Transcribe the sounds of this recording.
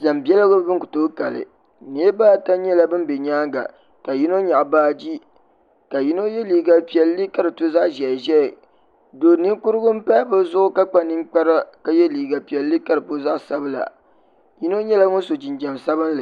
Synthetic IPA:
d͡ʒa˨mbi˦ɛ˦lɨ˦ɡʊ˦bɨ˦ŋkʊ˨toː˦ka˨lɨ̰˨ | ni˨˦e˦baː˦˨ta˦ɲɛ˦la˦bɨ˦m˦be˨ɲaː˦ŋɡa̰˨ | ka˨ji˦no˦ɲa˨ʔbaː˦d͡ʒi˦ | ka˨ji˦no˦jɛ˦liː˨ɡa˨pi˨ɛ˨lːɨ˦ka˦ɾɨ˨to˦za˦ʔʒɛ˨ʒɛ˦˨ | do˨ni˦ŋkʊ˦ɾɨ˦ɡʊ˦m̩˦pa˦bɨ˦zʊ˦ʔʊ˦ka˦k͡pa˦nɨ˦ŋk͡pa˦ɾa˦ka˦jɛ˦liː˨ɡa˨pi˨ɛ˨lːɨ˦ka˦ɾɨ˨po˦za˦ʔsa˦bɨ˦la̰˨ | ji˦no˦ɲɛ˦la˦ŋo˦so˨d͡ʒɪ˨nd͡ʒɛ˨msa˦bɨ˦n˦lɨ˨

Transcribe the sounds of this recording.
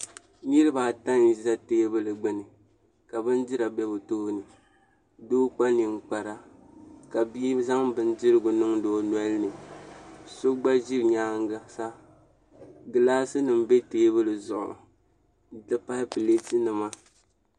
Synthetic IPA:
ɲɨ˦ɾɨ˦ba˨ta˦n˨za˦teː˦bɨ˦lɨ˨ɡ͡bɨ˦nɨ˨ | ka˨bɨ˦n˦dɪ˦ɾa˨bɛ˦bo˨to˦nɨ˨ | doː˦k͡pa˦ni˨ŋ͡m̩˦k͡pa˨ɾa˦ka˨bi˦za˦ŋbɨ˦n˦d͡ʒɪ˦ɾɨ˦ɡʊ˨nɨ˦ŋdoː˦nwɛ˦lnɨ˨ | so˦ɡ͡ba˦ʒi˦ɾɲaː˦ŋ˦ɡa˦sa˦ | ɡɨ˨laː˦sɨ˦nɨ˨m˦bɛ˦teː˦bɨ˦lɨ˨zʊ˨ʔʊ̰˨ | dɨ˦pa˦hɨ˦pɨ˨le˦tɨ˦nɨ˨ma˦

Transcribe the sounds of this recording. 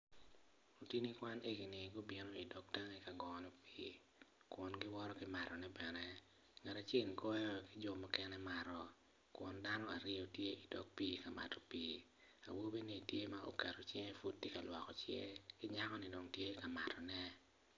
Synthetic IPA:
o˨ti˦ni˦kwa˦ne˦ɡi˨ni˨ɡo˦bi˦no˦i˨dɔ˦k̚ta˦ŋe˦ka˨ɡɔ˨nɔ˨piː˦ | kwʊ˨nɡɪ˦wɔ˦ɾɔ˦kɪ˦ma˨ɾɔ˨nɛ˦bɛ˨nɛ˦ | ŋɛ˨ta˨t͡ʃɪ˦ŋkɔ˦jɔ˦kɪ˦d͡ʒɔ˨mɔ˦kɛ˦nɛ˦ma˨ɾɔ˨ | kwʊ˨nda˦nɔ˦a̰˨ɾɪ˦o˦tje˦ʔi˨dɔ˦k̚piː˦ka˨ma̰˨tɔ˨piː˦ | a̰˨wo˦be˦ni˨tje˦ma˦ʔo̰˨kɛ˨ɾo˨t͡ʃɪ˦ŋe˦fu˦t̚ːi˦ka˨lwɔ˨kɔ˨t͡ʃjɛ̰˦kɪ˦ɲa˦kɔ˦nɪ˦do˨ŋtje˦ka˨ma̰˨tɔ˨nɛ˦

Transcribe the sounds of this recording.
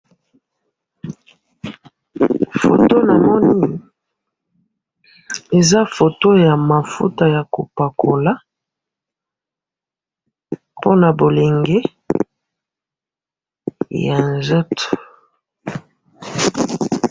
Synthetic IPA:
fo̰˨to˦na˨mɔ˦ni˦ | e˨za˦fo˨to˦ja˨ma˨fṵ˦ta˨ja˨ko˨pa˨kʰo˨la˦ | po˦na˨bo˨le˨ŋɡe˦ | ja˨nzɔ˦to̥˨

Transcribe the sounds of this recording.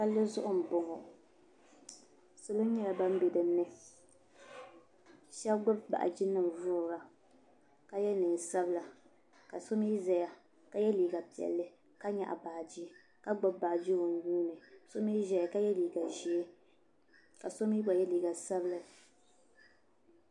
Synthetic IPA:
ka˦lːɨ˦zʊ˦ʔʊ˦˨m̩˨bʊ˨ŋɔ˨ | sʊ˨lɨ˦ɲɛ˦la˨ba˦m̩˦bɛ˨dɨ˨m˦nɨ˦ | ʃɛ˦bɡ͡bʊ˦bba̰˨ʔa̰˨d͡ʒɪ˦nːɨ˨m˨vʊː˦ɾɡa˨ | ka˦jɛ˦nɨ˨n˨sa˦bla˨ | ka˨so˦mi˦zɛ˨ja˨ | ka˦jɛ˦liː˨ɡa˨pi˨ɛ̰˨lːɨ˦ | ka˦ɲa̰˨ʔa̰˨baː˨d͡ʒi˦ | ka˦ɡ͡bɔ˦bbaː˨d͡ʒi˦ɣo˨n˦ɲuː˦nɨ˨so˦mi˦ʒɛ˨ja˨ka˦jɛ˦liː˨ɡa˨ʒi˨˦e˦ | ka˨so˦mi˦ɡ͡ba˨jɛ˦liː˨ɡa˨sa˦blɨ˨

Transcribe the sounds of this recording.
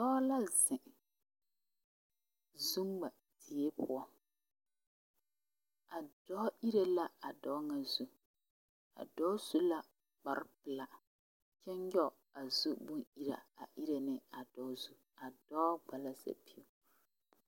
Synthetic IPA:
dɔ˦la˦zɪ˨ | zu˦ŋ˦ɡ͡ba˨ | di˨e˦pʊ˦ɔ˦ | a˨dɔ˦ʔi˦ɾe˦la˦a˨dɔː˦ŋa˨zu˦ | a̰˨dɔː˦z̥u˦la˦ | k͡pa˨ɾɪ˦pɨ˨la˨ | t͡ʃɛ˦ɲjɔ˦˨ | a˨zu˦bu˦ni˦ɾa̰˨a˨ʔi˦ɾe˨nɪ˦a˨dɔ˦zu˦ | a˨dɔ˦ɡ͡ba˨la˦za̰˨pi˦u˦

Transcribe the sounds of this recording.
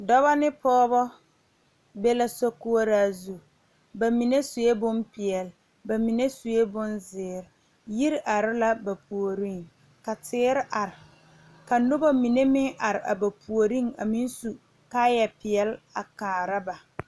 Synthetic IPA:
dɔ˦βa˦nɪ˦pɔː˦bɔ˦ | be˦la˦sɔ˦ku˦a˦ɾaː˦zu˨ | ba˨mi˨ne˦su˨je˦bʊ˦npɪ˨ɛ˨l | ba˨mi˨ne˦su˨je˦bʊ˦nzɪː˨˦ɾɪ˨ | ji˦ɾɪ˦ʔa˨ɾɪ˦la˦ba˨pu˨o˨ɾi˦˨ŋ | ka˨tɪː˦ɾɪ˦ʔa˨ɾɪ˨ | ka˨nʊ˦bɔ˦mi˨ne˦mɪ˦ŋʔa˨ɾɪ˨ʔa̰˨ba˨pʰu˨o˨ɾi˦ŋa̰˨mi˦n˦su˨ | ka˦jɛ˨pɪ˨ɛ˨la˨kaː˨ɾa˦ba˨

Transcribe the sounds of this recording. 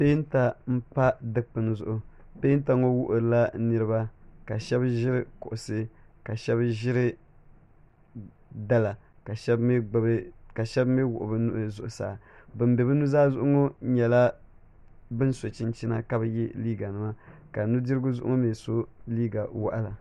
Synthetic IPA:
pe˦n˦ta˨m̩˦pa˦dɨ˦kk͡pɨ˨nɨ˦zʊ˨ʔʊ˨ | pe˦n˦ta˨ŋo˦wʊ˦ʔʊ˨ɾɨ˨la˦nɨ˦ɾɨ˦ba˦ka˨ʃɛ˦bʒɪ˦ɾɨ˦kʊ˨ʔʊ˨sɨ˦ka˨ʃɛ˦bʒɪ˦ɾɨ˦ | da˦la˨ | ka˨ʃɛ˦bɡ͡bbka˨ʃɛ˦bme˦wʊ̰˨ʔʊ˨bɨ˦nʊ˦ʔzʊ˨ʔʊ˨sa̰ː˨bɨ˨m˦bɛ˨βɨ˦nu˦zaː˦zʊ˦ʔʊ˦ŋo˦ɲɛ˨la˦ | bɨ˦nso˨t͡ʃɪ˦nt͡ʃi˦na̰˦ka˦bɨ˦ji˦liː˦ɡa˨nɨ˦ma˦ka˨nu˦dɨ˦ɾɨ˦ɡʊ˦zʊ˦ʔʊ̰˦ŋo˦meː˨so˦liː˦ɡa˨wa̰˦ʔa˦la˨

